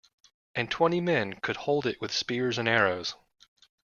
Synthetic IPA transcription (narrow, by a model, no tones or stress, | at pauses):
ʔɨ̃ntʰw̥ɛ̃ɾ̃imɛ̃nkʰɨd̚hoʊlˠdɨʔwɨð̥spɪɹzɨ̃nɛɹoʊz̥